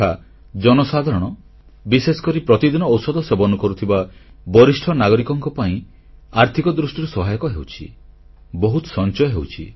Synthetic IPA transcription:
a | d͡ʒɔnɔsad̪ʱaɾɔɽ̃ɔ | bisesɔ̥kɔɾipɾɔt̪id̪inɔːwsɔd̪ʱɔsebɔnukɔɾut̪ʰibabɔɾisʈʰɔnaɡɔɾikɔŋkɔpaĩ | aɾt̪ʰikɔd̪ɾusʈiɾusɔɦajɔkɔɦewt͡ʃʰḭ | bɔɦut̪ɔ̥sɔnt͡ʃɔjɔɦewt͡ʃʰḭ

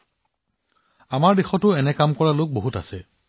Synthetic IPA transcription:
amaɹdexɔtʊɛnɛkamkɔɹalok̚boɦuta̰sɛ

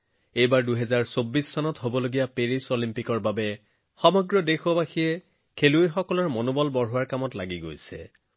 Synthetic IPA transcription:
ejbaɹduɦɛzaɹsobːisːɔnɔtɦobɔloɡijapeɹisolimpikɔɹbabɛ | xɔmɔɡɹɔdexɔbaxiɛ | kʰeluejxɔkɔlɔɹmonobɔlbɔɹɦowaɹkamɔtlaɡiɡojsɛ̰

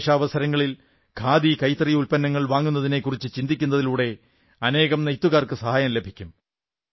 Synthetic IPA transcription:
ʂɐːʋɐsɐɾɐŋːɐɭil | kʰaːd̪ikɐjt̪ɐrijulpɐnːɐŋːɐɭʋaːŋːunːɐðine̞kːurit͡ɕːɨt͡ɕind̪ikʲːunːɐðiluːɽe̞ | ɐne̞ːɣɐmnejt̪ːuɣaːrkɨsɐhaːjɐmle̞bʱikʲːum

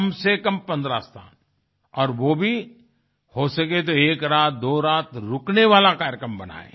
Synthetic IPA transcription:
msekɐ̃mpɐ̃nd̪ɾast̪ʰa̰ːn | ɔːɾʋoːbʱi | hoːsɐket̪oeːkɾaːt̪̚d̪oːɾaːt̪ɾʊkneʋaːlakaːɾjəkɾəmbɐna̰ːḛ̃ː

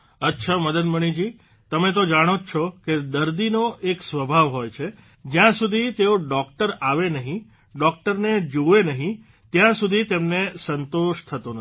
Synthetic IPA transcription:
ətːʃʰaməd̪əd̪məɽ̃id͡ʒi | t̪əmet̪̬od͡ʒaɽ̃ot͡ʃʰɔked̪əɾd̪inoʔeksʋəbʱaʋɦojt͡ʃʰe | d͡ʒjãsud̪ʱit̪eoɖɔk̚ʈəɾaʋenəɦĩ | ɖɔk̚ʈəɾned͡ʒuʋenəɦĩ | t̪jãsud̪ʱit̪emnesənt̪oʃt̪ʰət̪o

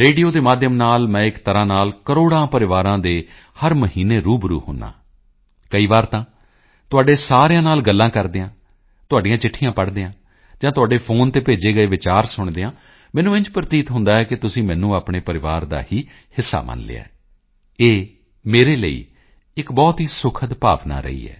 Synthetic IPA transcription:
ɾeːɖijoːd̪eːmaːd̪ʱjəmnaːlmɛ̃ːɪkt̪əɾãːnaːlkəɾoːɽãːpəɾɪʋaːɾãːd̪eː | həɾməɦiːneːɾuːbɾṵːhʊ̰nã̰ː | kəiːʋaːɾt̪ãː | t̪ʊaːɖeːsaːɾejãːnaːlɡəlːãːkəɾd̪eːãː | t̪ʊaːɖijãːt͡ʃɪʈʰːijãːpəɽd̪eːãː | d͡ʒãːt̪ʊaːɖeːpʰoːnt̪eːpeːd͡ʒeːɡəeːʋɪt͡ʃaːɾsʊɳd̪eːãː | mɛːnũːɪ̃ɲt͡ʃpɾət̪iːt̪ɦʊ̃nd̪aːɛːkɪt̪ʊsĩːmɛ̃ːnũːaːpɳeːpəɾɪʋaːɾd̪a̰ːhiː | hɪsːa̰ːmə̰nlḛːa̰ːɛː | eː | meːɾeːlə̰ḭː | ɪkbɔːt̪ɦiːsʊkʰət̪pa̰ːʋna̰ːɾə̰ḭːɛ̰ː

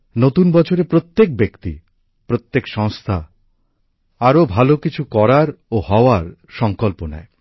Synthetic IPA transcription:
not̪unbɔt͡ɕʰoɾepɾot̪ːek̚bekt̪ḭ | pɾot̪ːekʃɔŋst̪ʰa | aɾobʱalokit͡ɕʰukɔɾaɾohɔoaɾ | ʃɔŋkolpona̰e

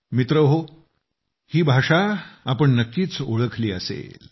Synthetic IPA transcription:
mit̪ɾəɦo | hiːbʱaʂaapəɳnəkːiːt͡soɭəkʰliːəsḛl

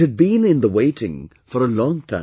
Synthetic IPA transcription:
ɨd̚bĩnɨ̃nðəweɪɾɪ̰̃ŋ | fə˞əlɔ̃ŋtʰã̰

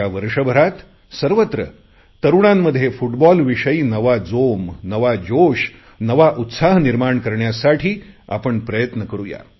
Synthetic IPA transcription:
aʋəɾʂəbʱəɾat̪ | səɾʋət̪ɾə̰ | t̪əɾuɽ̃amːəd̪ʱːjefuʈbɔlʋiʂəiːnəʋad͡zomnəʋad͡ʑoʂ | nəʋaʔut̪saɦniɾmaɳkəɾɳjasaʈʰiːa̰pəɳpɾəjət̪nəkəɾuja̰

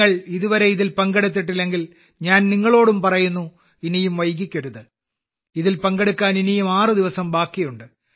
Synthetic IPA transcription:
ɐɭiðuʋɐɾe̞iðilpɐŋɡɐɽut̪̬ːiʈ̬ːilːe̞ŋɡil | ɲaːnniŋːɐɭo̞ːɽumpɐrɐjunːu | inijumʋɐjk̬ːikʲːɐɾuðɨ | iðilpɐŋɡeɽukʲːaːninijumaːrɨd̪iʋɐsɐmbaːkːijuɳɖɨ

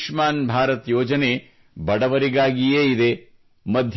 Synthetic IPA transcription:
ʂmaːnbʱaːɾɐt̪joːd͡ʒɐne | bɐɽɐʋɐɾiɡaːɡijeːid̪e̞ | mɐd̪ʱ

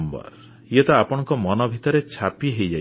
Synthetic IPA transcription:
mbɔ̰ɾ | jet̪ɔapɔɽ̃ɔŋkɔmɔnɔbʱit̪ɔɾet͡ʃʰapiɦejd͡ʒa

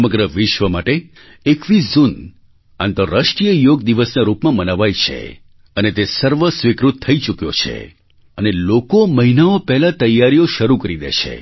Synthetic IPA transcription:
əməɡɾəʋɪʃʋəmaʈe | ekʋizun | a̰nt̪əɾəʃʈɾijəjoɡd̪iʋəsnaɾupmãmənaʋajt͡ʃʰḛ | ənet̪esəɾʋəsʋikɾut̪ʰːəit͡ʃukjo̰t͡ʃʰḛ | ənelokoməɦinaopɛɦlat̪əjːaɾijoʃəɾukəɾid̪ḛt͡ʃʰḛ

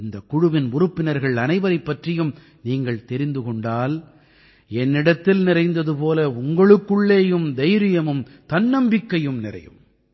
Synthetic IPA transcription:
ɪnd̪ɐkːʊɻʊʋɪnʊrʊpːɪnɐɾɣɐɭɐnɐɪʋɐɾɐɪpːɐʈrɪjɯm | niːŋɡɐɭt̪ɛɾɪnd̪ɯkɔɳɖaːl | ɛnːɪɽɐt̪ːɪlnɪɾɐɪnd̪ɐðɯpoːlɐʊŋɡɐɭɯkːɯɭːeːjɯmd̪ɐɪɾɪjɐmɯm | t̪ɐnːɐmbɪkːɐjɯmnɪrɐ̰jɯ̰m

